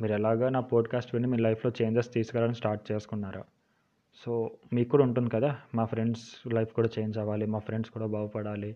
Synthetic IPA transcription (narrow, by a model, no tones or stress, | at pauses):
miːɾɛlaːɡaːnaːpoːɖkaːsʈʋiɳːimiːɾlɐjpʰlo̞ːt͡ʃeːɲd͡ʒɐst̪iːsu̥kɛlːʋaːlɐnisʈaːɾʈ̚t͡ʃe̞ːsu̥kunːaːɾa̰ː | so̞ːmiːkːuːɽauɳʈund̪ikɐd̪aːmaːpʰɾe̞ɳɖslɐjpʰkuːɽaːt͡ʃe̞ːɲd͡ʒɐʋaːlimaːpʰɾeɳɖskuːɽaːbaːwɐpɐɽaːli